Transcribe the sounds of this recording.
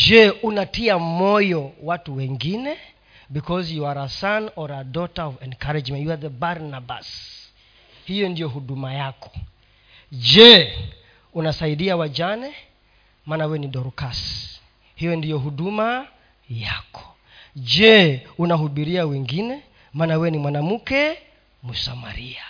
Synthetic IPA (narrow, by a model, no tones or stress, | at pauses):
d͡ʒɛunatiamɔjɔwatuwɛŋɡinɛ | bikɔzjuwaɾasanɔɾadɔtaɔvɛnkaɾɛd͡ʒmɛ̃njuaðəbaɾnaba̰s | hijɔndijɔɦuɗumajakɔ̥ | d͡ʒɛ | unasaiɗiawad͡ʒanɛ | maːnawɛniɗɔɾkas | hijɔndijɔɦuɗuma | ja̰kɔ̥ | d͡ʒɛunaɦuɓiɾiawɛŋɡinɛ | maːnawɛnimwanam̩kɛ | musama̰ɾia